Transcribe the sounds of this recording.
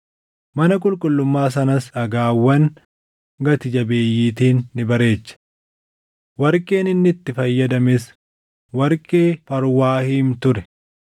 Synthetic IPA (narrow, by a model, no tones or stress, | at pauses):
mɐnɐk̬ʼʊlkʼʊlːʊmːaːs̬ɐnɐsɐɡaːwːɐn | ɡɐt̪ɪd͡ʒɐbe̞ːjːiːt̪iːnːɪbɐɾe̞ːt͡ʃːɐ̥ | wɐɾkʼe̞ːnɪnːɪt̪ːɪfɐjːɐd̪ɐmɪs | wɐɾkʼeːfɐɾwaːhiːmt̪ʊɾɛ̥